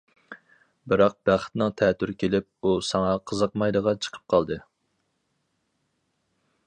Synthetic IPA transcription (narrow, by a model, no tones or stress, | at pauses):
bɪɾɑq̚bæχt̪nɨŋt̪ʰɛt̪ʰyɾkʲʰelɪp̚usɑŋɑqʰəzəqmɑjd̪əʁɑt͡ʃʰə̥qʰə̥p̚qʰɑlˠd̪ɨ